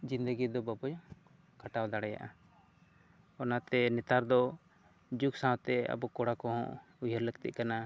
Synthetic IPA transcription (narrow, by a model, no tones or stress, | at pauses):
d͡ʒind̪əɡid̪ɔbabɔjɔ | kaʈawd̪aɽɛja̰ʔa | ɔnat̪ɛnɛt̪aɾd̪ɔ | d͡ʒuksãwt̪ɛa̰bɔkɔɽakɔɦɔ̰̃ʔ | ujəɾləɡt̪ḭʔ̚kana